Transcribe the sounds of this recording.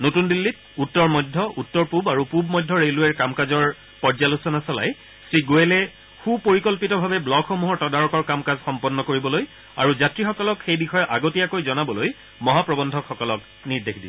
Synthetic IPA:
notundilːit | utːɔɹmɔdʱːɔʔutːɔɹpubaɹupubmɔjdʱːɔɹeluɛɹkamkazɔɹ | pɔɹzalusɔnasɔla̰j | sɹiɡoelɛ | xupoɹikɔlpitɔbʱabɛblɔkxomuɦɔɹtɔdaɹɔkɔɹkamkazxɔmpɔnːɔkoɹibɔloj | a̰ɹuzatɹixɔkɔlɔkxejbixɔjɔʔaɡotijakojzɔnabɔloj | mɔɦapɹɔbɔndʱɔkxɔkɔlɔk | niɹdexdi

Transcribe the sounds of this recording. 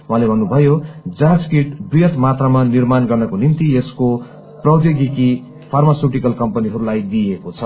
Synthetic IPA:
uɦãlebʱʌnːubʱʌjod͡zad͡zkiʈbrijʌt̪mat̪ramanirmanɡʌrnʌkonint̪iesko | prʌwd̪jʌɡiki | pʰarmasuʈikʌlkʌmpʌniɦʌɾulajd̪ijekot͡sʰʌ

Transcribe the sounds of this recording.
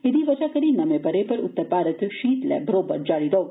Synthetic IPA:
ed̪iʋɐd͡ʒakɐɾinɐmebɐɾepɐɾʊ̰t̪ːəɾpaːɾət̪ʃiːt̪lɛ̰bʱɐɾoːbə̰ɾd͡ʒaːɽiɾɔɦo

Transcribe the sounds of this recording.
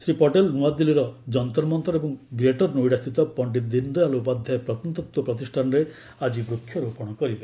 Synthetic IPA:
sɾipɔʈelnuad̪ːiliɾɔd͡ʒɔnt̪ɔɾmɔnt̪ɔɾebɔŋɡɾeʈɔɾnujɽast̪ʰit̪ɔpɔɳʈid̪ind̪ɔjaloupad̪ʱjajpɾɔt̪ɔnt̪ɔt̪wɔpɾɔt̪̬isʈʰanɔɾe | ad͡ʒibɾukʰjɔɾupɔɽ̃ɔkɔɾibe

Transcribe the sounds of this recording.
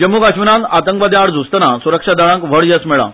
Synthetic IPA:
d͡ʑəmuːɡaɕʋinãnat̪əŋkʋad̪jaɽd͡zust̪ənasuɾəkʂad̪aɭãkʋ̤əɽjəsmɛɭa̰

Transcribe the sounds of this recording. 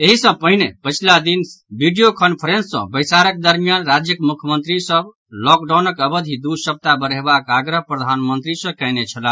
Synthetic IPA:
eɦisə̃pəɦinepət͡ʃʰlad̪inbiɖijokənpʰəɾensːə̰̃bəɪsaɾək̚d̪əɾmijanɾad͡ʒjəkmukʰjəmənt̪ɾisəb | lɔk̚ɖanəkəbəd̪ʱid̪usəp̚t̪abəɾebakaɡɾəɦpɾəd̪ʱanmənt̪ɾisə̃kɛɪnet͡ʃʰəla

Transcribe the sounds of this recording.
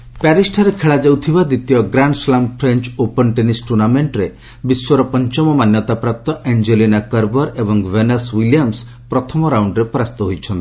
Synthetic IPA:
paɾisʈʰaɾekʰeɭad͡ʒawt̪ʰibad̪it̪jɔɡɾaɳɖslampʰɾent͡ʃopɔnʈenisʈunameɳʈɾe | biswɔɾɔpɔnt͡ʃɔmɔmanjɔt̪apɾap̚t̪ɔʔend͡ʒelinakəɾbɔɾebɔŋweneswilijams | pɾɔt̪ʰɔmɔɾawɳɖɾepɔɾast̪ɔɦojt͡ʃʰɔnt̪i̥

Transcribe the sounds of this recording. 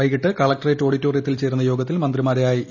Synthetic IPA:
ɐjkiʈːɨkɐɭɐk̚ʈɐreːtːo̞ːɽitːo̞ːrijɐt̪ːilt͡ɕe̞ːɾunːɐjo̞ːɡɐt̪ːilmɐnd̪rimaːɾejaːji

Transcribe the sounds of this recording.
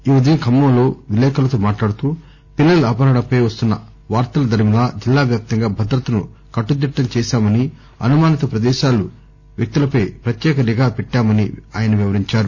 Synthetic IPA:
iʋɐd̪inkʰɐmːɐmlo̞ːʋilɛːkɐlɐt̪oːmaːʈlaːɽut̪uː | pilːɐluɐːpɐɾɐɳɐpɐjʋɐst̪unːɐ̰ | ʋaːɾt̪ɐlɐd̪ʱɐɾmilaːd͡ʒilːaːɡɐp̚t̪ːɐŋɡaːbʱɐd̪ɾɐt̪ɐnṵ | kɐʈːud̪iʈːɐɲt͡ʃɛːʃaːmɐni | ɐ̰numaːnit̪ɐpɾɐd̪ɛːʃaːlu | ʋjɐk̚t̪ilɐpɐjpɾɐt̪jɛːkɐɾiɡaːpɛʈːaːmɐniaːjɐnɐʋiʋɐɾiɲt͡ʃaːɾu

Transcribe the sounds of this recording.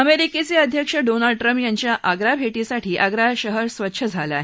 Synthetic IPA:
əmeɾiket͡seəd̪ʱjəkʂəɖonəlɖ̚ʈɾəmpjaɲt͡ɕjaʔaɡɾabʱeʈisaʈʰiːʔaɡɾaɕəɦəɾsʋət̪ːɕʰəd͡zʱala̰ɦ

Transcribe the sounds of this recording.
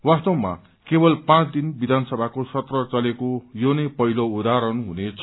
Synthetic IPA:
wast̪ʌwma̰ | kebʌlpãt͡sd̪inbid̪ʱansʌbʱakosʌt̪rʌt͡sʌlekojonʌjpʌɦiloud̪aɾʌnɦunet͡sʰ

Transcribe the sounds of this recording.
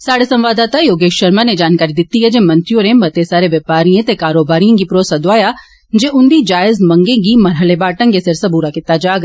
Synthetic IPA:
saːɽesɐ̃mʋaːd̪aːt̪ajoːɡeːʃʃɐɾmaned͡ʒaːnkaːɾid̪ɪt̪ːiɦɛd͡ʒemɐ̃nt̪ɾjoːɾẽmɐt̪esaːɾeʋɐpaːɾijẽt̪ekaːɾoːbaːɾijɐ̃ŋɡipɾoːsɐd̪ʋaːja | d͡ʒeʔʊnd̪id͡ʒaːɪzmɐ̃ŋɡeɡimɐɾɦəlebaːʈɐ̃ŋɡesɐɾsɐbuːɾakɪt̪ːad͡ʒaːɡ

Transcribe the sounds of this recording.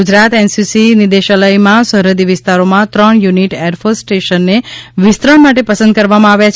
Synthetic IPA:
ud͡ʒɾat̪ɛnsisinid̪eʃələjmãsəɦɾəd̪iʋɪst̪aɾomãt̪ɾəɳjuniʈeɾfosʈeʃənːeʋɪst̪ɾəɳmaʈ̬epəsə̃nd̪̚kəɾʋamãaʋjat͡ʃʰ

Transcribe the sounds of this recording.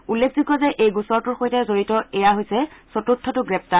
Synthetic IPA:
ulːekʰzikɔzɛʔejɡusɔɹtʊɹxojtɛzoɹitɔɛjaɦojsɛsotutʰːɔtʊɡɹɛp̚ta

